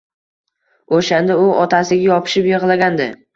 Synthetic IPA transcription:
oʃand̪aʊʔɒt̪ʰasɪɡʲajɒpʰɪ̥ʃɪpjɪʁlˠaɡʲand̪ɪ

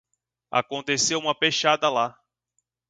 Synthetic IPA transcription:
a̰kõnt̪esewũmɐpeʃad̪ɐla

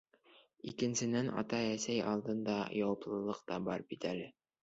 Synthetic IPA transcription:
ikɘ̆nsɘ̆nænʔɑ̰t̪ɑæsæjɑ̰lˠd̪ɤ̆nd̪ɑ̰jɑwɑplˠɤ̆lˠɤqt̪ɑbɑɾbit̪ælɘ

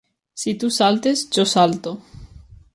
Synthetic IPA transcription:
sit̪usalt̪esd͡ʒosalt̪o

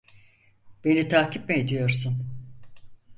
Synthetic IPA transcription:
b̥e̞nit̪ʰaːcʰip̚mɛed̪ijo̞ɾsun

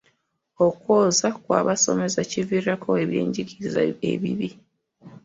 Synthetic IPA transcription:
okwoːzakwa̰ːβaso̞̰me̞zacivirakʰoeβje̞̰ːɲɟiɡiza̰ḛβḭβi

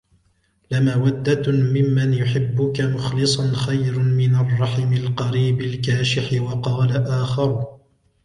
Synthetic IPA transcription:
lamaːwad̪ːamɪmːanjʊħɪbːʊkamʊxlɨsˤɑnxajɾmɪnarˤːɑħɪmɪlqɑɾiːbɪlkaːʃɪħɪwɑqɑːlaʔaːxɑɾˤ

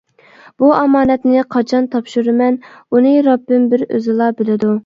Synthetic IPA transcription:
b̥uɑmɑːnɛt̪nɪqʰɑt͡ʃʰɑnt̪ʰɑpʃuɾɨmɛnunɨɾɑbːɪmbɪɾø̰zɪlˠɑbɪlɪd̪u

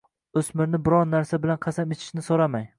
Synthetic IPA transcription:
ɵsmɪɾnɪbɪɾɒɾnaɾsabɪlanqʰɑsamɪt͡ʃʰɪ̥ʃnɪsoɾamaj

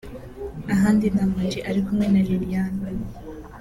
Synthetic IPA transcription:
aɦaːndinamad͡ʒiʔaɾikumŋe̞naliɾijaːna

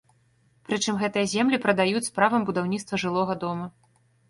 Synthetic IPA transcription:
pɾɨt͡ʂɨmɣɛt̪ɨjɐzʲɛmlʲipɾɐd̪ajut͡sʲspɾavɐmbud̪awnʲit̪st̪vɐʐɨlˠɔɣɐd̪ɔmɐ

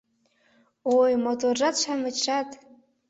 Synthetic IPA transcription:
ojmotʰʼorʐatt͡ʃʷʰamɨt͡ʃʰatʼ

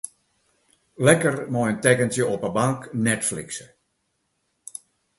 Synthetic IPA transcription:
lɛkərmɔjəntɛkəntjəʔɔpəbaŋknɛtflḭksə

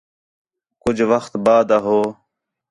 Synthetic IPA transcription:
kʊd͡ʒʱʋəxt̪baːd̪aɦoː

